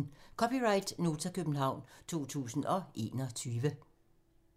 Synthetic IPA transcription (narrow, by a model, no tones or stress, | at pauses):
nkʰɒpiʁɑ̈ɪd̥no̝ːt͡sʰɐkʰøb̥n̩ɦɑ̈ʊ̰nt͡sʰo̝̰ːt͡sʰṵːsn̩ʔɒ̽ʔe̝̰ːnɒ̽t͡sʰyːʋə